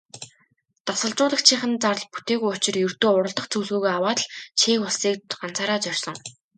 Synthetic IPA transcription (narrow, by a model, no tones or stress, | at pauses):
t̪ɔsɞ̆ɮt͡ɕʊːɮə̆χt͡ɕʰiχɘ̆nt͡sar̆ɮpu̥t̪eːɣujʊt͡ɕɪ̆rjɵrt̪oːʊɾə̆ɮt̪ə̆χt͡sɵːɮɣuːɣeːawaːt̪ɮt͡ɕʰeːkʊɮsiːk̚ɢan̥t͡saːɾaːt͡sœr̥ʲsɞ̆ŋ